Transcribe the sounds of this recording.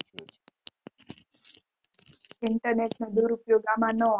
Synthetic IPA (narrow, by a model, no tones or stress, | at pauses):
ɪɳʈəɾneʈned̪uɾupjoɡamãnɔ